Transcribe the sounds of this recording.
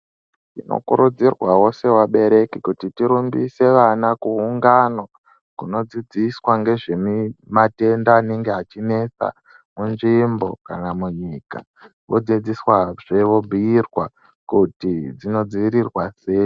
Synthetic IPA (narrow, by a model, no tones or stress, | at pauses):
tino̰kṵɾud͡zirwawo̞se̞waɓe̞ɾe̞kikutitiɾumbise̞ʋanakuːŋɡano̞ | kuno̞d͡zid͡ziswaŋɡe̞ʐe̞mimate̞ndaːne̞ŋɡe̞at͡ʃine̞t͡sa̰ | munʐimbo̞ka̰namuɲiːka̰ | ʋʔo̞d͡zid͡ziswaʐ̥e̞ʋo̞bʱiirwa | kutid͡zino̞d͡ziʋiɾirwaseːo